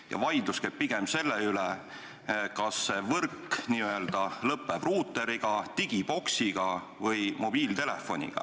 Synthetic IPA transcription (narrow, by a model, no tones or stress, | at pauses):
jɑ̰vɑjd̪̥luskeb̥̚piɡ̥emse̞lːeyle | kɑsːevɤrkːniːøe̞ld̪̥ɑlɤpːˑeb̥ruːt̪ːˑe̞ɾiɡ̥ɑt̪iɡ̥ib̥o̞ksiɡ̥ɑ | vɤjmo̞b̥iːlt̪e̞lefːo̞nʲḭɡ̥ɑ̰